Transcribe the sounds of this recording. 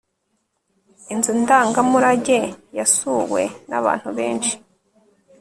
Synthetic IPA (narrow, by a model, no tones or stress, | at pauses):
inzundaːŋɡamuɾaɟejasuwe̞̰na̰βa̰ːn̥huβe̞ːnʃi̥